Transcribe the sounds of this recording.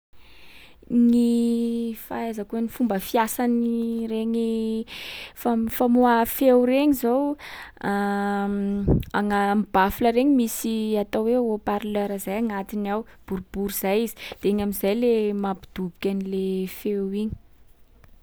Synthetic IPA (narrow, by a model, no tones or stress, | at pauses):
ni | faazəkunifumbəfiasanireŋi | fafamuafewɾeɲizowa | a̰ŋamibafiləɾeɲimisiat̪oweopaɾløɾəzajaŋat̪inawb̥uɾub̥uɾiz̥ajizi̥d̪̥eeɲamizajlemapid̪ubikʲanilefewiɲi̥